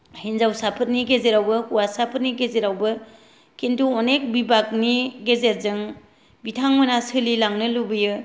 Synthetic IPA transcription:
hinzawsapʰɯt̚niɡezeɾawbɯkuwasapʰət̚niɡezeɾawbɯ | kʰentuɔnek̚bibak̚niɡezet̚zɯŋ | bitʰaŋmɯnasɯlilaŋnɯlubɯjɯ

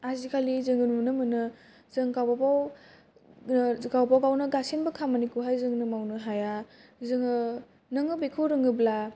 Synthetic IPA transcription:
azikʰalizɯŋɯnmunɯmɯnɯ | z̥ɯŋkawbapaw | kawapawkawnɯɡasenbɯkʰamanikuɦajzɯŋnɯmawnɯɦajazɯŋɯ | nɯŋɯbekʰɯwɾɯŋɯbla

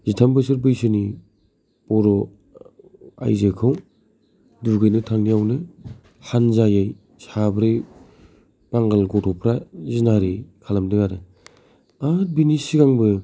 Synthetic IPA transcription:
zitʰambɯsɯɾbɯjsɯni | pɔɾɔ | a̰jzekʰaw | duɡɯjnɯtʰaŋniawnɯ | hanzajaj | sabɾɯj | b̥aŋɡalɡɔtʰɔpʰɾazinaɾikʰalamdɯɡaɾɯ | at̚binisiɡaŋbɯ

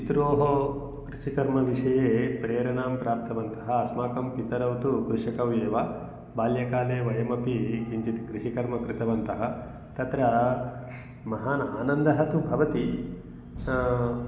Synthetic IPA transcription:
it̪ɾoːɦo | kɾɪʂikɐɾmɐʋiʂɐjeːpɾejɐɾɐnaːmpɾaːp̚t̪ɐʋɐnt̪ɐɦɐɐsmaːkɐmpit̪ɐɾɐwt̪ukɾuʂɐkɐʋjeːʋa | baːljɐkaːleːʋɐjɐmɐpikiɲt͡ʃit̪ikɾiʂikɐɾmɐkɾɪt̪ɐʋɐnt̪ɐɦɐ | t̪ɐt̪ɾɐ | mɐɦaːnaːnɐnd̪ɐɦɐt̪ubʱɐʋɐt̪i

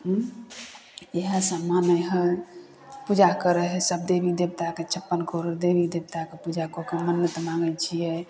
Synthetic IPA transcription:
eɦə̃səmanəjɦə | pud͡ʒakəɾəɦɛsəb̚d̪ebid̪ebt̪aket͡ʃʰəpːənkoɾoɾd̪ebid̪ebt̪akepud͡ʒakokemənːət̪mãŋɡət͡ʃʰijɛ

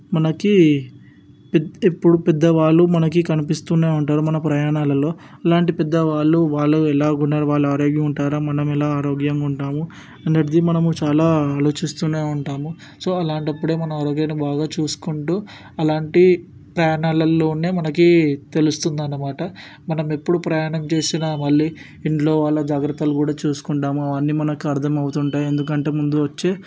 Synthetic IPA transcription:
mɐnɐki | pɛepːuɽupɛd̪ːɐʋaːɭːumɐnɐkikɐnipist̪uneːuɳʈaːɾumɐnɐpɾɐjaːɳaːlɐlo̞ː | ɐlaːɳʈipɛd̪ːɐʋaːɭːuʋaːɭːuɛlaːɡunːaːɾuʋaːɭːaːɾoːɡjɐmuɳʈaːɾaːmɐnɐmɛlaːaːɾo̞ːɡjɐŋuɳʈaːmu | ɐnːɐʈd̪imɐnɐmut͡ʃaːlaːaːlo̞ːt͡ʃist̪uneːuɳʈaːmu | so̞ːɐlaːɳʈɐpːuɽe̞ːmɐnɐmaːɾo̞ːɡjanibaːɡaːt͡ʃuːsu̥kuɳʈuː | ɐlaːɳʈi | pɾɐjaːɳaːlɐlːo̞ːne̞ːmɐnɐkit̪e̞lust̪und̪ɐnːɐmaːʈɐ | mɐnɐme̞pːuɽupɾɐjaːɳɐmt͡ʃe̞ːsinɐmɐɭːiː | iɳʈlo̞ːʋaːɭːɐd͡ʒaːɡɾɐt̪ːɐlukuːɽaːt͡ʃuːsu̥kuɳʈaːmuʋaːnːimɐnɐkiɐɾt̪ʰɐmɐwut̪uɳʈaːje̞nd̪uk̬ɐɳʈe̞ːmund̪uʋɐt͡ʃːe̞ː

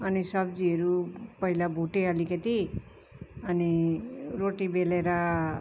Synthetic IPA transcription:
ɐnisɐbd͡ʒiɾupɐilabʱuʈealiket̪i | ɐniɾoːʈibeleɾa

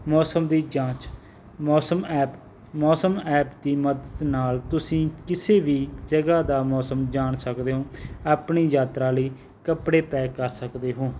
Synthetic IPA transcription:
mɔːsəmd̪iːd͡ʒãːt͡ʃ | mɔːsəmɛːp | mɔːsəmɛːpd̪iːməd̪əd̪naːlt̪ʊsĩːkɪseːʋiːd͡ʒəɡaːd̪aːmɔːsəmd͡ʒaːɳsəkd̪eːɦõːaːpɳiːjaːt̪ɾaːləiː | kəpɽeːpɛːkəɾsəkd̪eːɦoː

